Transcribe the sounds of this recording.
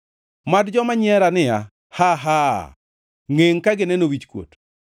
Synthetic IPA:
madd͡ʒɔmaɲɪɛɾanɪja̰ | haɦa | ŋeŋkaɡɪnɛnowit͡ʃkwo̰t

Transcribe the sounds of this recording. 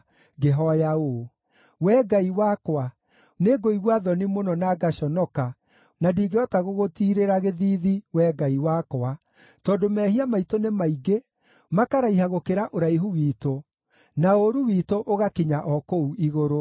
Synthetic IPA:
ɣeɦɔjao | wɛːɡaiwakwa | neɡoiɣwaðɔnimonɔnaɡaɕɔnɔka | nadiːɡeɔtaɣoɣotiːɾeɾaɣeðiːðiwɛɡaiwakoa | tɔːdomɛhiamaitonemaiɡe | makaɾaiɦaɣokeɾaʔoɾaiɦuwiːto | naoɾuwiːtoʔoɣakiɲaʔɔkouʔiɣoɾo

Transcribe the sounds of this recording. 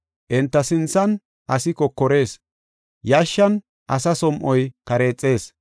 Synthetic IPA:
ʔɛnt̪ːɐsɪnt͡sːɐn | ʔɐsɪkɔkːɔɾe̞ːs | jaːʃːɐn | ʔɐsɐsɔmʔɔjkɐɾe̞ːt͡sʼːe̞ːs

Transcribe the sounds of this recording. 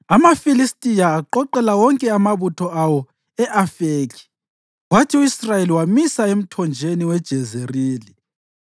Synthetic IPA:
amafilistʼijaːǃɔǃɛlawɔŋkʼɛamaβutʰɔawɔ | ɛʔafeːkʰi̥ | watʰiuisrajeliwamisaem̩tʰɔnd͡ʒʱeniwɛd̥ʒ̥ʱɛzeriːli

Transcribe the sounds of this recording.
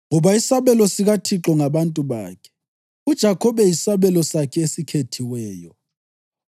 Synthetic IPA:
ŋɔβaisaβɛlɔsiɣatʰiǁɔŋaβantʼuβa̰ːkʰɛ̥ | ud̥ʒ̥ʱakʰɔβɛjisaβɛlɔsakʰɛesikʰetʰiwɛːjɔ

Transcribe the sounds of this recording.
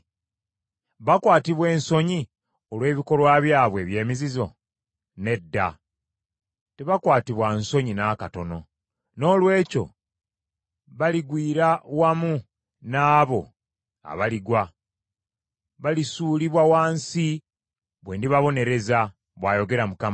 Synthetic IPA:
βakwaːtiβwe̞ːnso̞ɲi | olwe̞ːβiko̞lwaβjaːβwe̞ːβje̞ːmizizo̞̰ | ne̞dːa̰ | te̞βakwaːtiβwanso̞ɲinaːkato̞no̞̰ | no̞ːlwe̞ːco̞̰ | βaliɡwiːɾawamu | naːβo̞̰ | a̰βaliɡwa | βalisuːliβwawaːnsi | βwe̞ːndiβaβo̞ne̞ɾe̞za | βwaːjo̞ɡe̞ɾamukam

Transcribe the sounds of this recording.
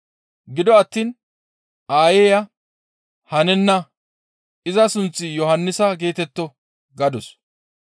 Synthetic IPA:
ɡɪd̪ɔɐt̪ːiːn | aːjeːjɐ | hɐnɛnːɐ | ɪzɐsʊnt͡sːɪjɔhɐnːɪsɐɡe̞ːt̪ɛt̪ːɔ | ɡɐd̪ɔs

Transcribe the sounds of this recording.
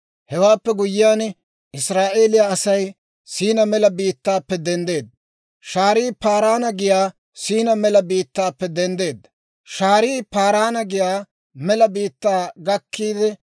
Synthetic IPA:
hɛwaːpːɛɡʊjːɪjaːn | ɪsɾaːʔe̞ːlɪjaɐsɐj | siːnɐmɛlɐbiːt̪ːaːpːɛd̪ɛnd̪e̞ːd̪ːɐ | ʃaːɾiːpaːɾaːnɐɡɪjaː | siːnɐmɛlɐbiːt̪ːaːpːɛd̪ɛnd̪e̞ːd̪ːɐ | ʃaːɾiːpaːɾaːnɐɡɪjaː | mɛlɐbiːt̪ːaːɡɐkːiːd̪ɛ

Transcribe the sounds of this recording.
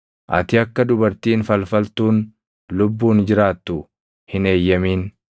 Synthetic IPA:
ʔɐ̰t̪ɪɐkːɐd̪ʊbɐɾt̪iːnfɐlfɐlt̪uːn | lʊbːuːnd͡ʒɪɾaːt̪ːʊ | hɪne̞ːjːɐmiːn

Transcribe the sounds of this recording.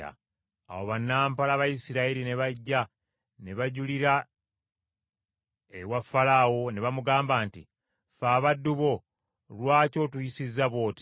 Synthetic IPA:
a̰ | a̰woβanːaːmpalaβajisiɾaiɾine̞βaɟːa | ne̞βaɟuliɾa | ewafːalawo̞ne̞βamuɡaːmbaːnti | faːβadːuβo̞ | lwaːco̞tujisizːaβo̞ːti̥

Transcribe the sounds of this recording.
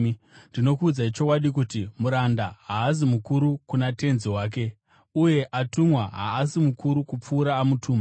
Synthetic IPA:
ndino̞kuːd͡zait͡ʃo̞kwaɗikutimuɾandaɦaːz̬imukuɾukunate̞nziwaːk̬e̞ | uje̞ʔatumwaɦa̰ːsimukuɾukup͡fuːɾaːmutʰuːma

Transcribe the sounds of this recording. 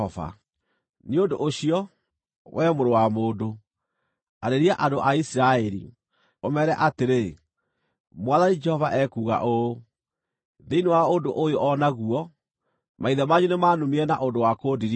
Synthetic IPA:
ɔva̰ | neondoʔoɕiɔ | wʔɛmoɾowamoːndo | aɾeɾiaʔadoʔaisiɾaɛɾḭ | omɛɾɛʔateɾe | mwaðanid͡ʒɛhɔvaʔɛkuːɣa̰ʔo | ðeinewaondoʔojoʔɔnaɣuɔ | mʔaiðɛmaɲunemaːnumiɛnaʔondowakoːdiɾi

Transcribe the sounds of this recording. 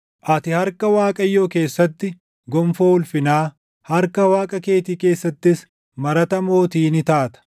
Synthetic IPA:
ʔɐt̪ɪhɐɾkɐwaːkʼɐjːoːke̞ːsːɐt̪ːɪ | ɡɔmfoʊlfɪnaː | hɐɾkɐwaːkʼɐke̞ːt̪iːke̞ːsːɐt̪ːɪs | mɐɾɐt̪ɐmo̞ːt̪iːnɪt̪aːt̪ɐ̥

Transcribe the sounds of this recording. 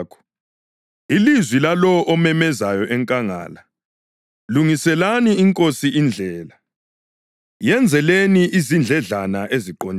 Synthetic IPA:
kʰɔ̥ | ilizwilalɔʔɔmɛmɛzajɔʔɛŋkʼaŋa̰ːla | luŋisɛlaniiŋkʼosiind͡ɮʱɛːla | jɛnd͡zʱɛleniʔizind͡ɮʱɛɮanaʔeziǃoɲ

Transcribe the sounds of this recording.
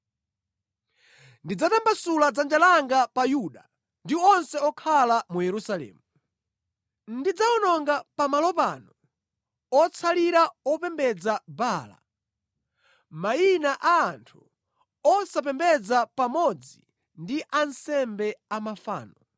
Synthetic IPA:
ndid͡zatambasulad͡zand͡ʒalaŋɡapajuɗa | ndiɔnsɛɔkʰalamujɛɾusalɛ̰ːmu | nndid͡zaɔnɔŋɡapamalɔpanɔ | ɔt͡sʰaliɾaɔpɛmbɛd͡zabaːla̰ | mainaʔaːntʰu̥ | ɔsap̬ɛmbɛd͡zapamɔd͡zi | ndiʔansɛmbɛamafa̰ːnɔ

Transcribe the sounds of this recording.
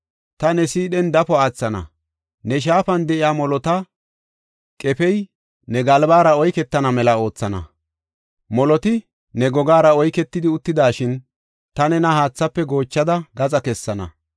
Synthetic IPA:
t̪ɐnɛsiːɗɛnd̪ɐfɔaːt͡sːɐnɐ̰ | nɛʃ̬aːfɐnd̪ɛʔɪjaːmɔlɔt̪ɐ | kʼɛpɛj | nɛɡɐlbaːɾɐɔjkɛt̪ːɐnɐmɛlɐo̞ːt͡sːɐnɐ̰ | mɔlɔt̪ɪ | nɛɡɔɡaːɾɐɔjkɛt̪ːɪd̪ɪʊt̪ːɪd̪aːʃɪn | t̪ɐnɛnɐhaːt͡sːɐpːɛɡo̞ːt͡ʃːɐd̪ɐɡɐzɐkɛsːɐnɐ̰

